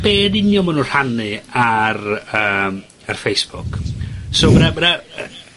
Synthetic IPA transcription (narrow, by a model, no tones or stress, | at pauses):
b̥eːdɪnjɔmanunr̥anɨarəːm | arfejsb̥ʊksoːmaɾamana̰